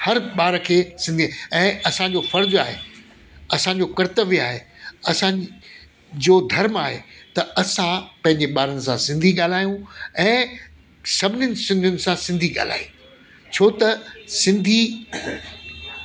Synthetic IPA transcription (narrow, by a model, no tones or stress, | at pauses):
hɐɾɓaːɾkʰeːsɪ̃nd̪iɛ̃ːʔɐsãd͡ʑofɐɾd͡ʑaːɦeː | ɐsãɲd͡ʑoːkɐɾɪt̪əʋiaːɦeːɐsã | d͡ʑoːd̪ʱɐɾmaːɦet̪ɐɐsãpɐ̃ɦɪ̃ɲd͡ʑeɓaːɾənɪ̆sãsɪ̃nd̪ʱiɠaːl̤aːjũɛ̃ː | sɐbʱɪnjənɪ̆sɪ̃nd̪ʱiʊnɪ̆sãsɪ̃nd̪ʱiɠa̰ːl̤a̰ːjũ | t͡ɕʰoːt̪ɐsɪ̃nd̪ʱi